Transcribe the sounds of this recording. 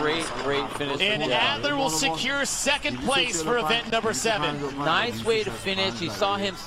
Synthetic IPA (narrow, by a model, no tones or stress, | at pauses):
ɹeɪt̚ɡ̥ɹeɪtfɪ̃nɨʃɨ̃nnædlə˞wɪlˠsɨkʰj̥ʊɹsɛkɨ̃npʰl̥eɪsfə˞ɨvɛ̃nʔnʌ̃mbə˞sɛvɨ̃nnaɪsweɪɾɨfɪ̃nɪʃhisɔɪ̃ms